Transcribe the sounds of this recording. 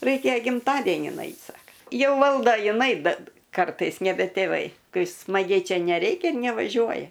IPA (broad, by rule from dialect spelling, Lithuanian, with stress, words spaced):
ˈrɐɪkʲɛ ɡʲɪmˈtɑːdʲɛnʲɪn ˈɐɪtʲ ˈsɑːkɐ ˈjɛʊ ˈʋɐlˠdoː jɪˈnɐɪ ˈbʲɛt ˈkɐrtɐɪs nʲɛˈbʲɛ tʲeːˈʋɐɪ ˈkɐɪ smɐˈɡʲɛɪ ˈt͡ʃʲɛ nʲɛˈrʲɛɪkʲɛ ɪr nʲɛʋɐˈʒʲuɔjɛ